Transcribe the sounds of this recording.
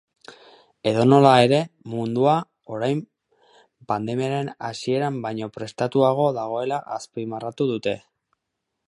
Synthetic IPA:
e̞ðo̞no̞lae̞ɾe̞mund̪ua | o̞ɾajm | pand̪e̞miaɾe̞nasie̞ɾambajɲo̞pɾe̞st̪at̪uaɣ̞o̞ðaɣ̞o̞e̞laʔaspimarat̪uðut̪e̞

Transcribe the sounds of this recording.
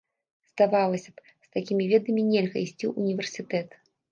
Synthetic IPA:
zd̪avalˠɐsʲɐ̥p | st̪akʲimʲivʲɛd̪ɐmʲinʲɛlʲɣɐisʲt͡sʲiʔunʲivʲɛrsʲit̪ɛt̪

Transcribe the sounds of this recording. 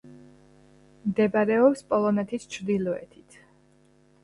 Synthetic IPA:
md̪ɛbaɾɛɔpspʼɔlˠɔnɛt̪ʰist͡ʃʰɾd̪ilɔɛ̰t̪ʰi̥t̪ʰ

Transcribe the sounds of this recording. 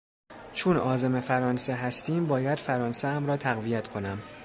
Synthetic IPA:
t͡ʃʰonɒːzeme̞fæɾɒːnse̞ɦæst̪iːmbɒːjæd̪̥fæɾɒːnseæmɾɒːt̪ʰæɣvijæt̪ʰkʰo̞næm

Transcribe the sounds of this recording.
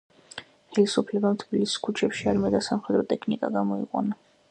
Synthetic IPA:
χɛlisupʰlɛbamt̪ʰbilisi̥skʰut͡ʃʰɛpʃiaɾmɛd̪asamχɛd̪ɾɔt̪ʼɛkʰnikʼa̰ɡamɔḭqʼɔ̰na

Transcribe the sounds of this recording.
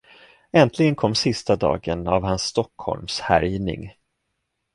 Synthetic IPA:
ɛnt̪ʰlɪɡənkʰɔmːsɪst̪ad̪ɑ̰ːɡənavhansːt̪ɔkhɔ̰lmshæ̰ɾjnɪ̰ŋ

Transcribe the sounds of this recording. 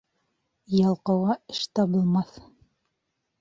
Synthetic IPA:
jɑlˠqɤ̆wɑɘ̥ʃt̪ɑbɤ̆lˠmɑθ

